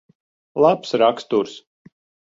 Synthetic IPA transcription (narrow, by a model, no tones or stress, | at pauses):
lˠapsɾakst̪uːɾs